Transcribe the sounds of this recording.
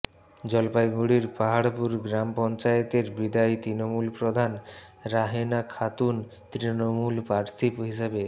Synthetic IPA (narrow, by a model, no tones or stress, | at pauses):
d͡ʑɔlpajɡuɽiɾpaɦaɽpuɾɡɾampɔnt͡ɕajet̪eɾbid̪ajt̪ɾinomulpɾod̪ʱan | ɾaɦenakʰat̪un | t̪ɾinomulpaɾt̪ʰipɦiʃebe